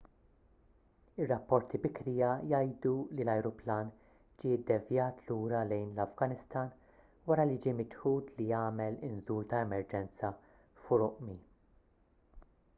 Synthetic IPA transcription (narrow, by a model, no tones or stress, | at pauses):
ɪrːɐpːɔɾt̪ibɪkɾijɐjɐjd̪ulilɐjɾʊplɐːn | d͡ʒɪɪd̪ːɛvjɐːt̪luːɾɐlɛjnlɐvɡɐnɪst̪ɐːn | wɐɾɐlid͡ʒiːmɪt͡ʃħuːt̪lijɐːmɛlɪnzuːlt̪ɐɛmɛɾd͡ʒɛnt͡sɐ | fʊɾʊʔmi